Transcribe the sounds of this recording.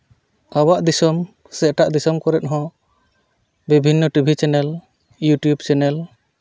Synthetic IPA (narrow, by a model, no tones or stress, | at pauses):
awaʔd̪isɔm | sɛʔʈaʔd̪isɔmkɔɾɛt̪̚ɦɔ̃ | bibʱinːɔʈubʱit͡ʃɛnɛl | juʈjubt͡ʃɛnɛl